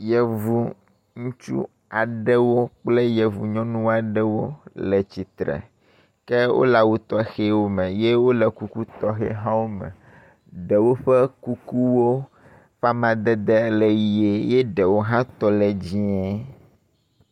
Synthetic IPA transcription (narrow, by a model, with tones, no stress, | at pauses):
jɛ˨vu˨ | ŋũ˦t͡ʃṵ˦ | a˨ɖɛ˦wo˦k͡ple˦jɛ˨vu˨ɲɔ̃˦nũ˦wa˨ɖɛ˦wo˦lɛ˨t͡ɕi˨t̪ɾɛ̰˨ | kɛ˦wo̰˦la˨wu˦t̪ɔ˦˨xe˦wo˦mɛ̃˨je˦wo˦lɛ˨ku˦ku˦t̪ɔ˦xɛ̰˦ɦã˦wo˦mɛ̰̃˨ | ɖɛ˨wo˦ɸɛ˦ku˦ku˦wo˦ | ɸa˦mã˨d̪ɛ˦d̪ɛ˦lɛ˨ji˨e˨je˦ɖɛ˨wo˦ɦã˦t̪ɔ˦lɛ˨d͡ʑi˦ɛ˦